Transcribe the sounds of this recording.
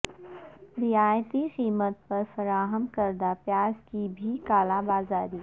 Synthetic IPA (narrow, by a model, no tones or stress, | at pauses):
ɾɪaːjt̪iqiːmət̪̚pɐɾfɐɾaːɦəmkəɾd̪apjaːskibʱikaːlabaːzaːɾiː